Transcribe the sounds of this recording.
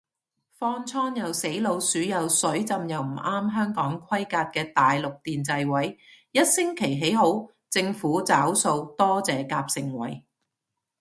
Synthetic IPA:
fɔː˥nt͡sʰɔː˥njɐ˨wse˨˥jlo˨˧wsyː˨˥jɐ˨wsɵ˨˥ɥt͡sɐ˧mjɐ˨wm̩˨˩ʔaː˥mɦœː˥ŋkɔː˨˥ŋkʰɐ˥jkaː˧t̚kɛː˧t̪aː˨jlʊ˨k̚t̪iː˨nt͡sɐ˧jwɐ˨˥jjɐ˥t̚sɪ˥ŋkʰe˨˩jɦe˨˥jɦo˨˥w | t͡sɪ˧ŋfuː˨˥t͡saː˨˥wso˧wt̪ɔː˥t͡sɛː˨˧kaː˧p̚sɪ˨ŋwɐ̰˨˩j

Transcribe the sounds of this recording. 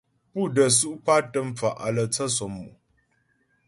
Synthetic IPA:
pu˦˨də˨su˦ʔpa˦tə˦mfa˨ʔa̰˨lə˨t͡sa˦sɔ˨mu˨ʔ

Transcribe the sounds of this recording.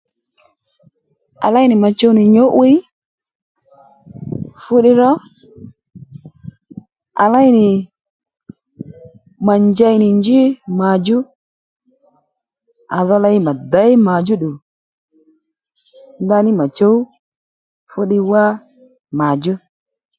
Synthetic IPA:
a̰˨la˦jnɪ˨ma˨t͡ʃo˦wnɪ˨ɲo˦ʔwi˦ | fʊ˦ɗɪ˦ɾɔ˦ | a̰˨la˦jnɪ˨ | ma˨nd͡ʒa˦jnɪ˨nd͡ʒi˦ma˨d͡ʒʊ˦ | a˨ðɔ˧la˧˦jɪ˦ma˨da˨˦jma˨d͡ʒʊ˦ɗu˨ | nda˧nɪ˦ma˨t͡ʃo˦w | fʊ˦ɗɪ˧wa˦ | ma˨d͡ʒʊ˦

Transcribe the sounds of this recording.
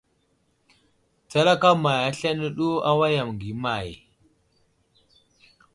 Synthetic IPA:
t͡sa˦la˦ka˦ma˨ja˦ɬa˦nə˦ɗu˦a˦wa˦ja˨m˨ŋɡi˨˦ma˨j

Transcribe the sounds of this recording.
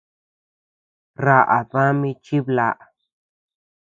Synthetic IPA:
ɾa˦ʔa˨ðã˦mĩ˧t͡ʃi˦βla˦˨ʔa˨

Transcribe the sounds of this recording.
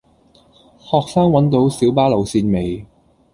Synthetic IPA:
hɔː˨k̚saː˥ŋwɐ˨˥nt̪o˨˧˥wsiː˨˥wpaː˥lɐ˨˩wsiː˧nme˨˩j

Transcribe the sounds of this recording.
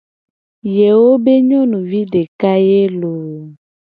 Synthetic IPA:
je˨wo˦be˦ɲɔ̃˦nũ˨vi˦ɖe˨ka˦je˦lo˨

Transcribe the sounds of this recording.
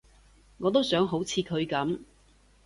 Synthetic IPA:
ŋɔː˨˧t̪o˥wsœː˨˥ŋɦo˨˥wt͡sʰiː˨˧kʰɵ˨˧ɥkɐ˨˥m

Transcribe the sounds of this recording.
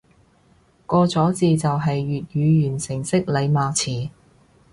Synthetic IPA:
kɔː˧t͡sɔː˨˥t͡siː˨t͡sɐ˨wɦɐ˨jːyː˨t̚jyː˨˧jyː˨˩nsɪ˨˩ŋsɪ˥k̚le˨˧jmaː˨˧t͡sʰiː˨˩

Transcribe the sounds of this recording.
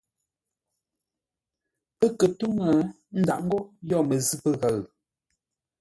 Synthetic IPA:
pə˦kə˨tu˦ŋə˨ | n̩˦da̰˨ʔŋ̩˦ɡɔ˦jɔ˦˨mə˨zi˦pə˦ɣa˨ɰ

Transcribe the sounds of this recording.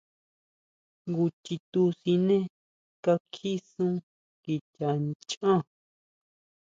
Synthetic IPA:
ŋɡu˧t͡ʃi˧t̪u˧si˧nẽ˦ | ka˧kʰi˦sũ˦ | ki˨ta˨t͡ʃã˦

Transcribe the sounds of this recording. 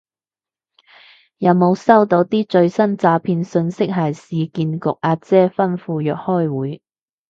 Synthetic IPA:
jɐ˨˧wmo˨˧wsɐ˥wt̪o˨˧˥wt̪iː˥t͡ʃɵ˧ɥsɐ˥nt͡saː˨˧pʰiː˧nsɵ˧nsɪ˥k̚ɦɐ˨˩jsiː˨˧kiː˧nkʊ˨k̚ʔaː˧t̚t͡sɛː˥fɐ˥nfuː˧jœː˨k̚hɔː˥˩jwuː˨˥j

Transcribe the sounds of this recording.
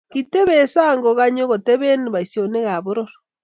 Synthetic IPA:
ɣite˦βesa˦ŋɡoɣa˦ɲo˦ɣo˨te˦βe˦ni˨βa˨i˨sjone˦ɣa˨βo˦ɾoɾo̥

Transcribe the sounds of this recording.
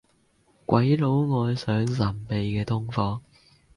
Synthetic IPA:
kʷwɐ˨˥jlo˨˥wŋɔː˨˧jsœː˨˥ŋsɐ˨˩mpe˨jkɛː˧t̪ʰʊ˥ŋfɔː˨˧

